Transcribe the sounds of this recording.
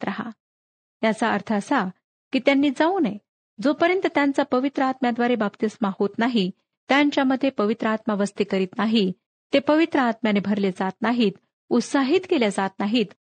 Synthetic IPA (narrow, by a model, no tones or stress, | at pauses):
ɾaɦa̰ | jat͡saəɾt̪ʰəəsa | kiːt̪janːiːd͡zauːne | d͡zopəɾjənt̪ət̪jant͡sapəʋit̪ɾəat̪mjad̪ʋaɾebapt̪ismahot̪naɦi | t̪jaɲt͡ɕjaməd̪ʱːjepəʋit̪ɾəat̪maʋəst̪ikəɾiːt̪naɦi | t̪epəʋit̪ɾəat̪mjanebʱəɾled͡zat̪̚naɦiːt̪ | ut̪saɦiːt̪keljad͡zat̪naɦiːt̪